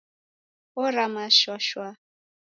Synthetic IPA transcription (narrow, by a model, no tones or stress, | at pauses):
ɔɾamaʃwaʃwa